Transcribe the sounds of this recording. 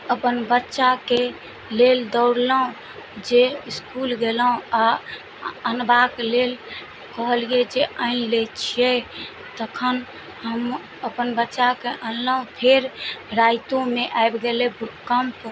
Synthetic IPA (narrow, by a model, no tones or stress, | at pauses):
əpənbətːʃake | leld̪ɔʊɽləɦõ | d͡ʒeiskulɡeləõa | ənbaklel | kəɦəlijed͡ʒeʔəɪnlet͡ʃʰijɛ | t̪əkʰən | həm | əpənbətːʃakeʔənləũpʰeɾɾaɪt̪õmeʔaebɡelebʱuʈkəmp